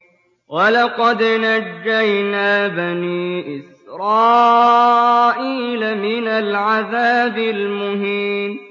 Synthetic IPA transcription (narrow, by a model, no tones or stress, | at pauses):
wɑlɑqɑd̪nad͡ʒːajnaːbaniːʔɪs | ɾˤɑː | ʔiːlamɪnalʕaðaːbɪlmʊɦiːm